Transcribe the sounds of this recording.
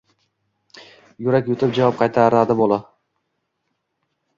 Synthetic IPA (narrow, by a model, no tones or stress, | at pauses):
jʊɾakʲjʊt̪ʰɪp̚d͡ʒavɒp̚qʰɑjt̪ʰaɾad̪ɪbolˠa